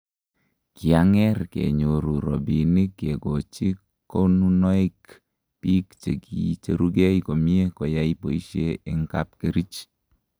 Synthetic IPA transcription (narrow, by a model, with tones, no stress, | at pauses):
ki˨a˨˦ŋɛ˦rkḛ˨ɲo˨ɾu˨ɾɔ̰˨bi˨ni˦kːe˨ɡo˨t͡ʃi˦ | ko˦nu˦nɔ˦i˦k | pi˦kt͡ʃe˨ki˨t͡ʃe˦ɾu˦ɡɛ˦iko˨mi˦e˦kɔ˨ja˦ipo˨i˦ʃe˦ɪ˦ŋka˦p̚ke˦ɾi˦t͡ʃ